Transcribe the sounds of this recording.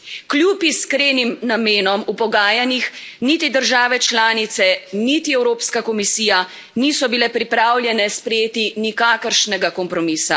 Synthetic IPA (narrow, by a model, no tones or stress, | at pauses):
kljupiskɾeːnimnameːnɔmupɔɡaːjanixnit̪id̪əɾʒaːʋɛt͡ʃlaːnit̪sɛnit̪iɛwɾoːpskakɔmisiːja | nisɔbilɛpɾipɾaːwljɛnɛspɾɛjeːt̪inikaːkəɾʃnɛɡakɔmpɾɔmiːsa